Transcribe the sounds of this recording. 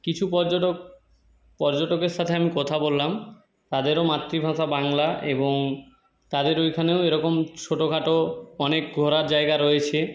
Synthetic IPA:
kit͡ɕʰupɔɾd͡ʑoʈo | pɔɾd͡ʑoʈokeɾʃat̪ʰeamikɔt̪ʰabolːam | t̪ad̪eɾomat̪ːɾibʱãʃabaŋlaeboŋ | t̪ad̪eɾojkʰaneoeɾɔkomt͡ɕʰoʈokʰaʈoɔnek̚ɡʱɔɾaɾd͡ʑaeɡaɾojet͡ɕʰe

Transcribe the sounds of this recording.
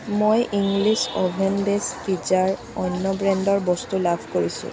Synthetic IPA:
mojʔiŋɡlisɔbʱendespid͡ʒaɹ | ɔnːɔbɹɛndɔɹbɔst̪ulabʰʱkoɹisṵ̃

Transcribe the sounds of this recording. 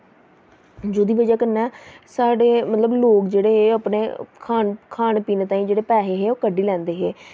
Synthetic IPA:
d͡ʒoːd̪iːʋəd͡ʒaːkəɾnɛːsaːɖeːmət̪ləbloːkd͡ʒeːɽeːɦeːəːpneːkʰaːnkʰaːnpiːneːt̪ãːĩːd͡ʒeːɽeːpɛːɦeːɦeːoːkəɖiːlɛ̃ːnd̪eːɦeː

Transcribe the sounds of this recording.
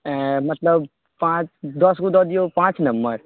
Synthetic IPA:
ɛ̃mɐt̪ləb | pãːt͡ʃd̪ɔskud̪ɔd̪ijopãːt͡ʃnɐmbə̰ɾ

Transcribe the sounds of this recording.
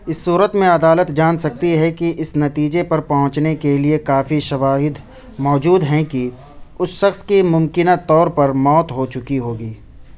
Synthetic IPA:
ɪsːuːɾət̪mẽɐd̪aːlət̪d͡ʒaːnsɐk̚t̪iɦɛkiʔɪsnɐt̪iːd͡ʒepɐɾpɐɦʊ̃t͡ʃnekeliekaːfiʃɐʋaːɦɪd̪ | mɔːd͡ʒuːd̪ɦɛ̃ki | ʊsʃɐxskimʊ̃mkɪnat̪ɔːɾpɐɾmɔːt̪ɦot͡ʃʊkiɦoːɡiː

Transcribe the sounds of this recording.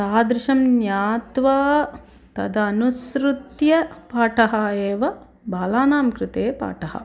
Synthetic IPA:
saːd̪ɾɪʃɐmnjaːt̪ʋaː | t̪ɐ̰d̪ɐːnusɾut̪jɐpaːʈɐɦɐeːʋɐ | baːlaːnaːmkɾɪt̪eːpa̰ːʈɐɦɐ̰

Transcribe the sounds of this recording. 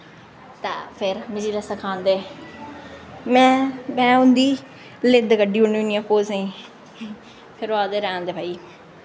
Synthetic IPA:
t̪aːpʰɪɾmɪd͡ʒiːləsakʰãːnd̪eː | mɛ̃ːmɛ̃ːʊ̃nd̪iː | lɪd̪kəɖiːʊɳiʊnijãːpoːzeĩː | pʰɪɾaːd̪eːɾɛãːnd̪eːbʱaːiː

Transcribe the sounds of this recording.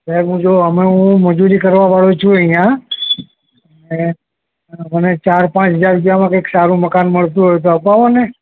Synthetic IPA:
bəɦũd͡ʒoɦəmeɦũməd͡ʒuɾikəɾʋaʋaɭut͡ʃʰũəɦjã | ne | mənet͡ʃaɾpãt͡ʃɦəd͡ʒaɾbjamãkəksaɾũməkanməɭt̪ũɦojt̪̬oɦəpaʋone

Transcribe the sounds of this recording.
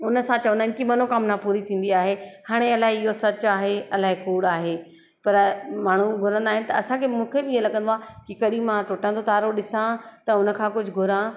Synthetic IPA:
ʊnə̆sãt͡ɕɐʋʊnənɪ̆kimɐnokamnapuːɾit̪ʰĩːn̆d̪iaːɦehaːɽ̃eɐlaːɦeɪɦosɐt͡ɕaːɦeɐlaːekuːɽaːɦeː | pɐɾmaːɳ̤uɡʱʊɾə̃nd̪aːɦɪ̃nɪ̆t̪ɐɐsãkʰemũːkʰebɪiːelɐɡə̃nd̪oaːkikɐɗimãʈʊʈə̃nt̪ʰot̪aːɾoɗɪsãt̪ɐʊnə̆kʰãːkʊd͡ʑʱɪɡʱʊɾã

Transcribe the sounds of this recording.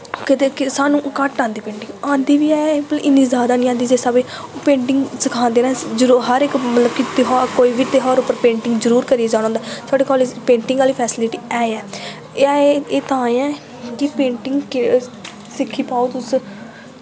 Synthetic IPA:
kɪt̪ekɪsaːnũːkəʈãːnd̪iːpẽːɳʈɪ̃ŋɡãːnd̪iːʋiːɛːplʔɪniːzjaːd̪aːnĩːãːnd̪iːd͡ʒeːsabeː | pẽːɳʈɪŋɡsɪkʰãːnd̪eːɾɛ̃ːzɦəɾekmət̪ləbkɪt̪ːɦokoːiːbiːt̪eɦəɾʊpːəɾpẽːɳʈɪŋɡzəɾuːɾkəɾijeːd͡ʒãːɽ̃õːnd̪aːt̪ʰaːɖeːkɔːled͡ʒpẽːɳʈɪ̃ŋɡaːliːpʰɛːsɪlɪʈiːɛːeɛː | eːt̪ãːẽɛ̃ː | kɪpẽːɳʈɪŋɡkɪ | sɪkʰːiːpaːot̪ʊs

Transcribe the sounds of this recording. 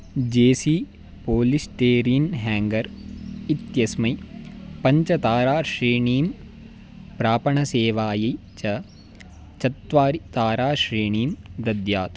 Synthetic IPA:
d͡ʒeːsiː | poːlisʈeːɾiːnɦaːŋɡɐɾit̪jɐsmɐjpɐɲt͡ʃɐt̪aːɾaːʃɾeːɳiːm | pɾaːpɐɳɐseːʋaːji | t͡ʃɐ | t͡ʃɐt̪ʋaːɾit̪aːɾaːʃɾeːɳiːmd̪ɐd̪jaːt̪

